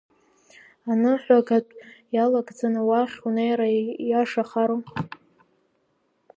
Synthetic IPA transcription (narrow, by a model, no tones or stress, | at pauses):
anɨħʷaɡatʼjalaɡʼd͡zanawaχʲunejɾajaʂaχaɾo